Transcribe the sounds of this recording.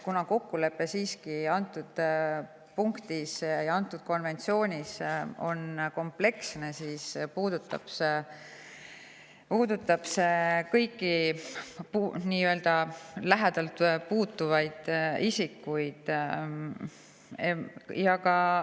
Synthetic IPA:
kunɑko̞kːule̞pːe̞siːskiɑnt̪ːˑud̪̥ | puŋkt̪isjɑɑnt̪ːˑud̪̥̚ko̞nve̞nt̪sio̞ːnʲiso̞nko̞mple̞ksne̞siːspuːd̪ut̪ːˑɑ̰b̥se | puːd̪ut̪ːˑɑb̥sekɤjkːˑi | puniːøld̪̥ɑlæɦed̪̥ɑlt̪puːt̪ːuvɑjd̪̥isikːˑujd̪̥ | jɑkɑ

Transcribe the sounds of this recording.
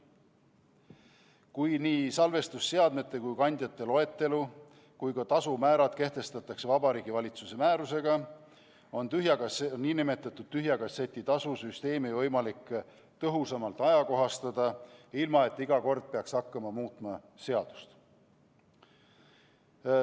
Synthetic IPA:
kujniːsɑlve̞st̪usːe̞ɑd̪̥me̞t̪ːˑe̞kujkɑnʲd̪̥ʲjɑt̪ːe̞lo̞e̞t̪ːe̞lu | kujkɑt̪ɑsumæːɾɑd̪̥ke̞ht̪e̞st̪ɑt̪ːˑɑkse̞vɑbɑɾiːɡ̥ivɑlʲit̪suse̞mæːɾuse̞ɡ̥ɑ | o̞nt̪yɦjɑkɑniːnime̞t̪ːˑɑt̪ːˑud̪̥̚t̪ːyɦjɑkɑse̞t̪ʲːˑit̪ɑsusyst̪e̞ːmivɤ̞jmɑlikː | t̪ɤɦusɑmɑlt̪ˑɑjɑko̞ɦɑst̪ɑd̪̥ɑilmɑe̞t̪ːˑiɡɑko̞rd̪̥̚pe̞ɑksɑkːɑmɑmuːt̪ˑmɑ | se̞ɑd̪̥u̥st̪

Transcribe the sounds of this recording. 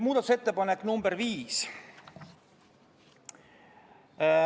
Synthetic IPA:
muːd̪ɑt̪use̞t̪ːe̞pɑnekːnumbeɾviːs

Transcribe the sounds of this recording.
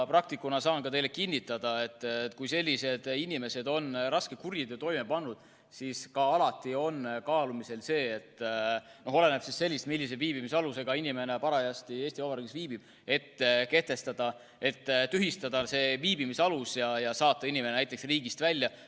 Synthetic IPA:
prɑk̚t̪ikːˑunɑsɑːnkɑt̪ejle̞kinʲːit̪ːˑɑd̪̥ɑe̞t̪ːkujse̞lʲːise̞d̪̥inime̞se̞d̪o̞nrɑskekurjid̪̥t̪o̞jme̞pɑnːud̪̥ | siskɑɑlɑt̪ːˑio̞nkɑːlumise̞lse̞ːet̪ːˑ | no̞ɦole̞ne̞b̥sisse̞lʲːist̪milːiseviːb̥imisɑluse̞ɡ̥ɑinime̞ne̞pɑɾɑjɑst̪ie̞ːsʲt̪iovɑɾiɡisviːb̥ib̥̚ | e̞t̪ːke̞ht̪e̞st̪ɑd̪̥ɑ | e̞t̪ːt̪yɦist̪ɑd̪ɑse̞ːviːbimisɑlusjɑjɑsɑːt̪ːˑɑinʲime̞nenæjt̪ːˑeksriːɡist̪vælʲːjɑ

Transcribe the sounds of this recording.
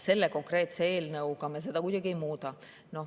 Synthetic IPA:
se̞lːeko̞ŋkre̞ːt̪seeːlnɤukɑmesed̪ɑkud̪̥ʲɑɡ̥iemuːt̪ɑ | no

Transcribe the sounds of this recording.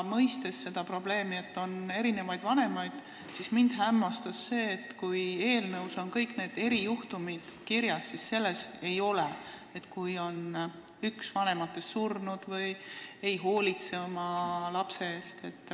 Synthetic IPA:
mɤjst̪e̞sːe̞d̪̥ɑpro̞b̥le̞ːmie̞t̪ːo̞ne̞ɾine̞vɑjd̪vɑne̞mɑjd̪̥ | sismind̪̥ɦæmːɑst̪ɑsːe̞ːt̪ːkuje̞ːlnɤwso̞nkɤjkne̞ːd̪̥e̞ɾijuht̪umid̪̥kiɾjɑsːisse̞lːe̞se̞jo̞le | et̪ːkujo̞n | yksvɑne̞mɑt̪ːˑe̞sːurnud̪̥vɤje̞jɦo̞ːlʲit̪seomɑlɑpse̞eːst̪e̞t̪ːˑ

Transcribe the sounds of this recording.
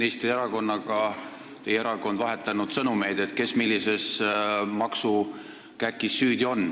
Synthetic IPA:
neːst̪rieɾɑko̞nːɑɡ̥ɑ | t̪ejeɾɑko̞nd̪̥vɑɦe̞t̪ˑːɑnud̪̥sɤnume̞jd̪̥e̞t̪̚ke̞smilːise̞smɑksu | kækːˑisːyːd̪ʲio̞nː

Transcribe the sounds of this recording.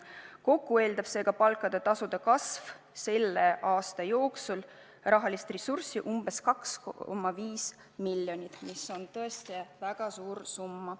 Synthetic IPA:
ko̞kːue̞ːld̪ɑb̥se̞ːɡ̥ɑpɑlkːˑɑd̪e̞t̪ɑsud̪̥ɑkɑsv | se̞lːeʔɑːst̪ɑjo̞ːksul | rɑɦɑlist̪resursiʔumb̥e̞skɑkskmːɑviːs | milːjo̞nʲit̪ˑmiso̞nt̪ɤ̞est̪ivæɡ̥ɑsuːɾsumːɑ

